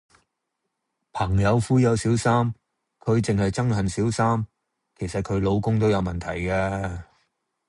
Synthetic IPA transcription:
pʰɐ˨˩ŋjɐ˨˧wfuː˨˥jɐ˨˧wsiː˨˥wsaː˥m | kʰɵ˨˧ɥt͡sɪ˨ŋhɐ˨jt͡sɐ˥ŋɦɐ˨nsiː˨˥wsaː˥m | kʰe˨˩jsɐ˨t̚kʰɵ˨˧ɥlo˨˧wkʊ˥ŋt̪o˥wjɐ˨˧wmɐ˨nt̪ʰɐ˨˩jkɛː˧

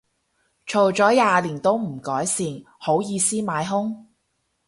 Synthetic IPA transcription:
t͡ʃʰo˨˩wt͡ʃɔː˨˥jaː˨˧liː˨˩nt̪o˥wm̩˨˩kɔː˨˥jsiː˧ŋ | ho˨˥wjiː˨˧siː˥maː˨˥jɦʊ˥ŋ

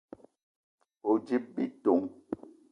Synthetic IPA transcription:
o˨d͡ʒi˦p̚bḭ˦to˨ŋ

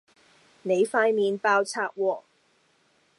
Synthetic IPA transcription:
ne˨˧jfaː˥jmiː˨˧npaː˥wt͡sʰaː˥k̚wɔː˧˩

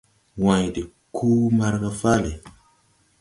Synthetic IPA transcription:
wã˨jde˨ | kʰu˦ma˦ɾka˦fa˦le˨

